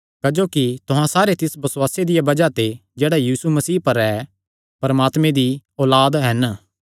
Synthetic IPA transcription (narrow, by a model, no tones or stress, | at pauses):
kɛd͡ʒoːkit̪ʊɦãsaːɾet̪ɪsbɐswaːsed̪ɪjabɐd͡ʒat̪ed͡ʒɛːɽajiːsumɐsiːpɐɾɛ | pɐɾmaːt̪mẽd̪iɔːlaːd̪ɦɐn